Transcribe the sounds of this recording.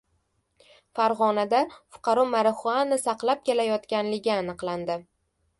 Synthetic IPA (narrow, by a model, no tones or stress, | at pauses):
faɾʁɒnad̪afʊ̥qʰɑɾɒmaɾɪχʊanːɪsɑqlˠap̚kʲe̞lajɒt̪kʲanlɪɡʲɪːnɨqlˠand̪ɪ